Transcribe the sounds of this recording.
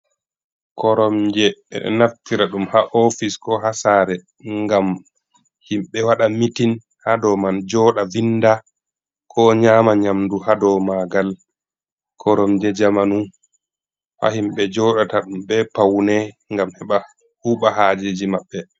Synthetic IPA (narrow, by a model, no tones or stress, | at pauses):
kɔɾɔmd͡ʒɛɛ̰ɗɔ̰naftiɾaɗumhaʔɔfiskɔɦasaːɾɛ | ŋɡam | himɓɛwaɗamitin | hadɔmand͡ʒɔːɗavinːda | kʰɔɲaːmaɲamduhadɔmaɡal | kʰɔɾɔmd͡ʒɛd͡ʒamanu | ha̰himɓɛd͡ʒɔɗataɗumɓɛpawnɛ | ŋɡamhɛɓa | huːɓaɦaːd͡ʒed͡ʒimaɓːɛ